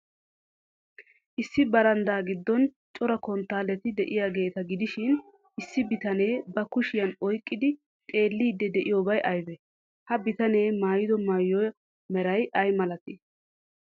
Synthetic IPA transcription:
ʔɪsːɪbɐɾɐnd̪aːɡɪd̪ːɔn | t͡ʃʼɔɾɐkɔnt̪ːaːlːɛt̪ɪd̪ɛʔɪjaːɡe̞ːt̪ɐɡɪd̪ɪʃɪn | ʔɪsːɪbɪt̪ɐneːbɐkʊʃɪjɐnɔjkʼːɪd̪ɪ | t̪ʼe̞ːlːiːd̪ːɛd̪ɛʔɪjoːbɐjʔɐjbɛ | hɐbɪt̪ɐne̞ːmaːjɪd̪ɔmaːjːɔj | mɛɾɐjɐjmɐlɐt̪ɪ

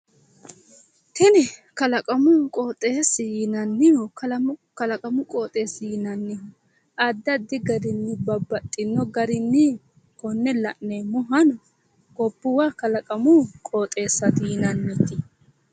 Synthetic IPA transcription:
t̪ɛnɛkɐlɐkʼɐmʊkʼoːt̪ʼːeːsɪjɪnɐnːɪjɔkɐlɐmkɐlɐkʼɐmʊkʼoːt̪ʼe̞ːsːɪjɪnɐnːɪjɔ | ʔɐd̪ːɐd̪ːɪɡɐɾɪnːɪbɐbːɐt̪ʼːɪnːɔɡɐɾɪnːɪ | kɔnːɛlɐʔneːmʊɦɐnɔ | ɡɔbːʊwaːkɐlɐkʼɐmʊkʼoːt̪ʼe̞ːsːɐt̪ɪjɪnɐnːɛt̪ɪ

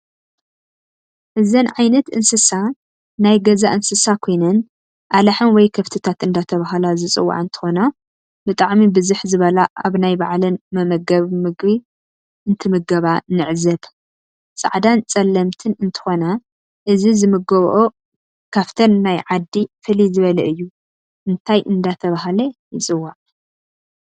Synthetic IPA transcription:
ʔɨzɐnʕajnɐt̪ɨnsɨsa | najɡɐzaʔɨnsɨsakʰo̞jnɐn | ʔalaħɨnwɔjkʰɐft̪ʰɨt̪ʰat̪ɨnd̪at̪ʰɐβaɦlazɨt͡sʼɨwːa̰ʕɨnt̪ʰɨ̥xo̞na | bɨt̪ʼaʕmibɨzuħzɨβɐlaʔaβnajbaʕlɨnmɐmɐɡɐβmɨɡbi | ʔɨnt̪ʰɨmɨɡɐβanɨʕzɐb | t͡sʼa̰ʕd̪ant͡sʼɐlːɐmt̪ʰɨnɨnt̪ʰɨ̥xo̞na | ʔɨzizɨmɨɡɐβʔo | kʰaft̪ʰɐnːajʕad̪ːifɨlizɨβɐlɐʔɨjːu | ʔɨnt̪ʰajʔɨnd̪at̪ʰɐβaɦlɐjɪt͡sʼɨwːaʕ

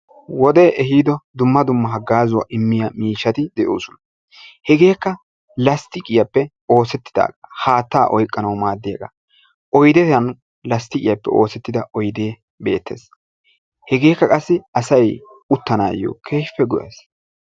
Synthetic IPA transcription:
wɔd̪ɛʔɛhiːd̪ɔd̪ʊmːɐd̪ʊmːɐɦɐɡːaːzʊwɐ̰ʔɪmːɪjɐmiːʃːɐt̪ɪd̪ɛʔo̰ːsʊnɐ | hɛɡe̞ːkːɐ | lɐst̪ɪkʼɪjɐpːɛ | o̞ːsɛt̪ːɪ̥d̪a̰ːɡɐhaːt̪ːaːʔɔjkʼːɐnɐwmaːd̪ːɪjɐɡɐ | ʔɔjd̪ɛtɐn | lɐst̪ɪkʼɪjɐpːɛ̰ʔo̞ːsɛt̪ːɪd̪ɐʔɔjd̪e̞ː | be̞ːt̪ːḛːs | hɛɡe̞ːkːɐkʼɐsːɪɐsɐj | ʊt̪ːɐna̰ːjo̰ːkʰeːʃpːɛɡɔʊʔɐ̰s

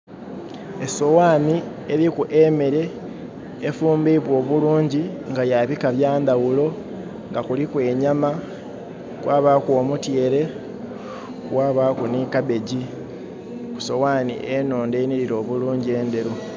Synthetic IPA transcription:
e̞so̞waːni | eɾikuʔemeɾe̞ː | fuːmbiβwo̞ːβuluːɲɟiŋɡajaβikaβjaːnd̪awulo̞ | ŋɡakulikwe̞ːɲama | kwʔaːβakoːmutje̞ːɾe̞ | kwaːβaːkuniːkabe̞ɟi | ku̥so̞waːnḭʔenoːndeːniɾiɾo̞ːβuluːɲɟie̞ːnd̪e̞ɾu

